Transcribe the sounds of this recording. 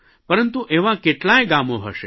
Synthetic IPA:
pəɾənt̪uʔeʋãkeʈlajɡamoɦəʃḛ

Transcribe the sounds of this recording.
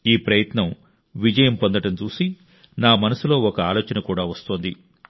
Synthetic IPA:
iːpɾɐjɐt̪nɐm | ʋid͡ʒɐjɐmpond̪ɐʈɐmt͡ʃuːsi | naːmɐnɐsulo̞ːɔkɐaːloːt͡ʃɐnɐkuːɽaːʋɐst̪oːnd̪i

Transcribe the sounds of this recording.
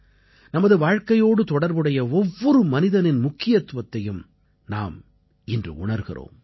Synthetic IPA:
nɐmɐðɯʋaːɻkɐjoːɽɯt̪ɔɽɐɾbɯɽɐjɐɔʋːɔɾɯmɐnɪðɐnɪnmʊkːɪjɐt̪ʋɐt̪ːɐjɯm | na̰ːm | ɪndrɯ̰ʊɳɐɾɣɪ̰ro̰ːm

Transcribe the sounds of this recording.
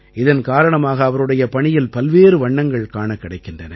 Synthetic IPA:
ʔɪðɐnkaːɾɐɳɐmaːɣɐːʋɐɾɯɽɐjɐpɐɳɪjɪlpɐlʋeːɾɯʋɐɳːɐŋɡɐɭkaːɳɐkːɪɽɐɪkːɪndrɐnɐ

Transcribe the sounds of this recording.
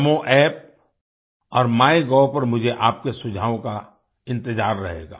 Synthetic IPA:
mõʔɛːp̚ | ɔːɾmaːeɡɔːpɐɾmʊd͡ʒʱeʔaːp̚kesʊd͡ʒʱaːʋõka | ɪ̃nt̪ɪzaːɾːɐɦḛːɡa̰ː

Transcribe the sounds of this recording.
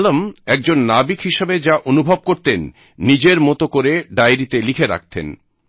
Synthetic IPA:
lomɛk̚d͡ʑonːabikhiʃebed͡ʑaʔonubʱob̚koɾt̪enː | id͡ʑeɾmɔt̪okoɾeɖajɾit̪elikʰeɾa̰k̚t̪ḛn

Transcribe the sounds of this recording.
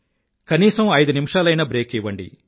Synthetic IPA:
kɐniːsɐmɐjd̪unimʂaːlɐjnɐbɾe̞ːkiʋːɐɳɖḭ

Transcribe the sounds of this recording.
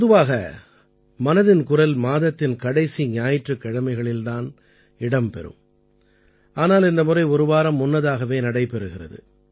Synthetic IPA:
pɔðɯʋaːɣɐ | mɐnɐðɪnkʊrɐlmaːðɐt̪ːɪnkɐɽɐɪsiɲɪaːjɪʈrɯkːɐɽɐmɐɪɣɐɭɪlt̪aːn | ɪɽɐmpɛ̰ɾɯ̰m | ʔaːnaːlɪnd̪ɐmʊrɐɪɔɾɯʋaːɾɐmːʊnːɐðaːɣɐʋeːnɐɽɐɪpɛɾɯɣɪrɐ̰ðɯ̰

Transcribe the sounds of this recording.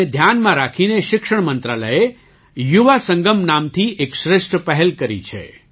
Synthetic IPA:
ed̪ʱjanmãɾakʰineʃɪkʂəɳ̃mənt̪ɾaləe | juʋasəŋɡəmnamt̪ʰiʔekʃɾɪʃʈpəɦɛlkəɾḭt͡ʃʰḛ

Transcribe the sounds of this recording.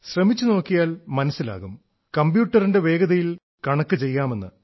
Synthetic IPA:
ɕrɐmit͡ɕːuno̞ːkːijaːlmɐnɐsːila̰ːɣum | kɐmbjuːʈːɐrinde̞ʋe̞ːɡɐðɐjil | kɐɳɐkːɨt͡ɕe̞jːaːme̞nːɨ̰

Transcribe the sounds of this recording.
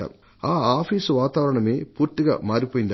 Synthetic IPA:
ɐ̰m | aːaːfiːsʋaːt̪aːʋɐɾɐɳɐmeːpuːɾt̪ːɯɣɐ̰maːɾipːoːjɪnd̪

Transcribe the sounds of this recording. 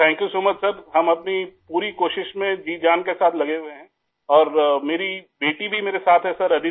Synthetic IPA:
t̪ʰɛ̃ːŋkjusoːmət͡ʃsɐɾɦɐmɐpnipuːɾikoːʃɪʃmẽd͡ʒiːd͡ʒaːnkesaːt̪ʰlɐɡeweɦɛ̃ | ɔːɾmeːɾibeːʈibʱimeːɾesaːt̪ʰɦɛsɐɾɐd̪i

